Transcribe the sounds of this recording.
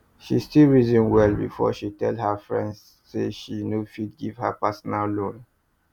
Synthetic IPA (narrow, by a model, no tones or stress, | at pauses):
ʃistilɹizĩnwɛlbḭfɔ̰ʃitɛldhafɹɛ̰̃ndsːeʃinofidɡiv̥hapasɔnalːõn